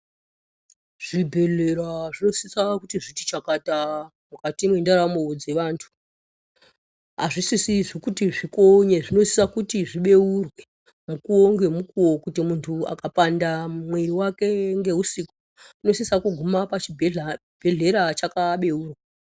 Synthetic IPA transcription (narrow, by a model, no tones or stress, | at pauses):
ʐ̥ibʱe̞ɮe̞ɾaʐino̞sisakutiʐiti̥t͡ʃakata | mukatimwendaɾamod͡ze̞ʋaːntʰu̥ | ɦaʐisisiʐikutiʐikoɲeʐino̞sisakutiʐiɓe̞urwe | mukuwoŋɡe̞mukuwo̞kutimuntʰua̰kapandamweriwake̞ŋɡe̞ɦusiko | uno̞sisakuɡʱumapat͡ʃibʱ | bʱe̞ɮe̞ɾat͡ʃakaɓe̞uːrwa